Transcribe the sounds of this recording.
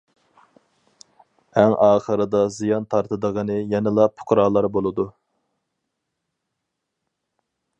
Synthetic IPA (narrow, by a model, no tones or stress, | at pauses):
æŋʔɑːχəɾɨd̪ɑzijɑnt̪ʰɑɾt̪ʰɨd̪əʁənɨjɛnɪlˠɑpʰʊ̥qʰɾɑːlˠɑɾbolˠɨd̪u